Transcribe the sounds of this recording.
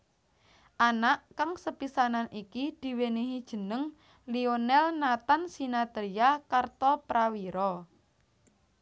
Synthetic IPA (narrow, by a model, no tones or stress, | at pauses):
ʔanaʔkaŋsəpisananʔikid̪̥i̤weniɦid̥ʒ̥ə̤nəŋ | lionɛlnat̪ansinat̪ɾiakart̪ɔpɾawiɾɔ